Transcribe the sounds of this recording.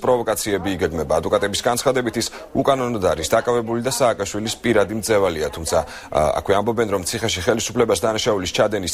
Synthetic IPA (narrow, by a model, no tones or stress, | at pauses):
pʼɾɔvɔkʼat̪sʰiɛbiːɡɛɡmɛbaːd̪vɔkʼat̪ʼɛbisɡant̪sχad̪ɛbit̪ʰis | ukʼanɔnɔd̪aɾisd̪akʼavɛbulid̪asaːkʼaʃwilispʼiɾad̪imd̪zɛvaliat̪ʰumt̪sʰa | a̰kʰwɛambɔbɛnɾɔmt̪sʰiχɛʃiχɛlisu̥pʰlɛbasd̪anaʃaulist͡ʃʰad̪ɛnis